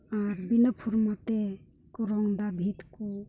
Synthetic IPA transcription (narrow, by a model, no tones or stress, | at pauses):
aɾbinəpʰuɾmat̪e | kɔɾɔŋd̪abʱit̪ku